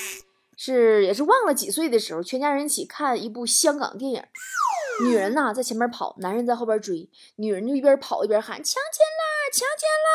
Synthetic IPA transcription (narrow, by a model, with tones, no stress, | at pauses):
ʂɻ̩˥˩jɛ˨˩ʂ̬ɻ̩˥˧wɑ˥˩ŋlə˩t͡ɕi˨˩swe˥˩ɪd̪ə˩ʂɻ̩˧˥xo˧ʊt͡ɕʰɛ˧˥nt͡ɕja˥ɻə˧˥nt͡ɕʰi˨˩kʰa˥˩ni˧˥p̬u˥˩ɕjɑ˥ŋkɑ̰˨˩ŋt̪̬jɛ˥˩njə̰˨˩˦ny˨˩ɻə˧˥nɐ˧t͡sa˥˩ɪt͡ɕʰɛ˧˥mjpʰɑ̰˨˩˦ʊna˧˥nɻə˧˥nt͡sa˥˧ɪxo˥˩ʊjə˧˥ʈ͡ʂu˨˩i˧˩ | ny˨˩ɻə˧˥nt͡ɕo˥˧˥i˥˩pjɛ˧˥pʰɑ˨˩ʊi˥˩pjɛ˧˥xa̰˧˥˦nt͡ɕʰjɑ˧˥ŋt͡ɕjɛ˥˩nlə˩t͡ɕʰjɑ˧˥ŋt͡ɕjɛ˥˩nlə˨˩